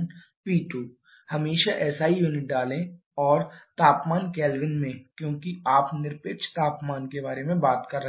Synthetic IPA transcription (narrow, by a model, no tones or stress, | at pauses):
n | piːʈuː | hɐmeːʃaʔɛːsaːɦijuːnɪʈ̚ɖaːlẽ | ɔːɾt̪aːpmaːnkɛːlʋɪnmẽkjõːkiaːpnɪɾpekt͡ʃt̪aːpmaːnkebaːɾemẽbaːt̪kɐɾːɐ